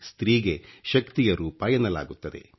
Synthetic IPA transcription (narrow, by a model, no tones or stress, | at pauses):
st̪ɾiːɡe̞ʃɐkt̪ijɐɾuːpaːjɐnɐla̰ːɡut̪ːɐd̪e̞̰